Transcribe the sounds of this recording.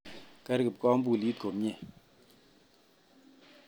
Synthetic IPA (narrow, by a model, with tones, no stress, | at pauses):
kɛ˦ɾkɪ˨p̚kɔ˦m˦bu˦˨li˦t̚ko˨mɲe˨